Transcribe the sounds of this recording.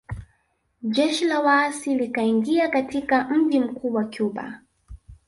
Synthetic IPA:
ʄɛʃilawaːsilikaiŋɡiakatikam̩ʄim̩kuːwakjuɓa̰

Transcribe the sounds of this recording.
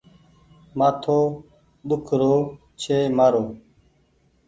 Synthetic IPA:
mat̪ʰoː | ɗ̪ʊkʰɾoː | t͡ɕʰeːməɾoː

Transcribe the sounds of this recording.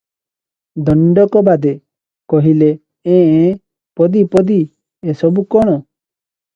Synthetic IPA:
d̪ɔɳɖɔkɔbad̪e | kɔɦile | ẽ | pɔd̪ipɔd̪i | esɔbukɔɽ̃ɔ

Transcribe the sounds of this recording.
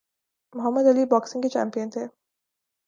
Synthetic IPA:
mʊɦəmːəd̪ɐlibɔːksɪ̃ŋket͡ʃæ̰ːmpijənt̪ʰe

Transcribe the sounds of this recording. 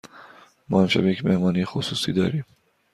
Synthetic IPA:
mɒ̰ːhæmʃæ̰bjecʲmehmɒːnijexosuːsiːd̪ɒ̰ːɾiːm

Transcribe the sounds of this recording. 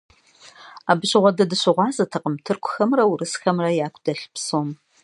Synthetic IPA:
aːbɨɕɪʁʷɔdɐdɨɕɪʁʷɑːzɐtʰɐqəmtʰɨrkʷʰʊxɐmrɐwurɨsxɐmrɐjaːkʷʰʼd̥ɐɬpsom

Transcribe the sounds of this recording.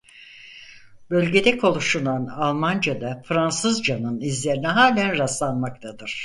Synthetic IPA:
bø̞lʲɟe̞d̪ɛkʰo̞lˠuʃunanalˠmand͡ʒad̪afɾansɯzd͡ʒanɯnizlʲe̞ɾiniɦaːlʲænɾaslˠanmak̚t̪ʰad̪ɯɾ̥

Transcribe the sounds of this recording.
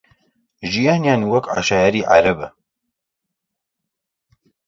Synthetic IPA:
ʒijaːnjaːnwɐka̰ʃaːjaɾiːʕa̰ɾɐbɐ̰

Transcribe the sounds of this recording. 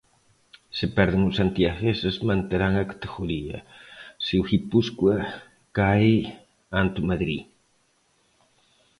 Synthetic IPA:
sɪpɛɾðɪŋʊsant̪iaxesesmãnt̪eɾaŋɐkḁt̪eɣuɾiɐ̰sewxipuskwa | kaj | ant̪umaðɾḭ

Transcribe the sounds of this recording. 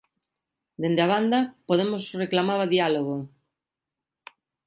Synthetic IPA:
d̪end̪ɪaβand̪ɐpoðemosreklamaβaðialoɣo

